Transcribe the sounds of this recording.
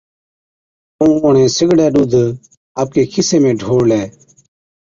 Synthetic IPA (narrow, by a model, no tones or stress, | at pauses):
ũːʊɳẽːsɪɡɽɛːɗud̪ʱ | aːp̚keːkʰɪseːmẽːɖʱoːɽlɛː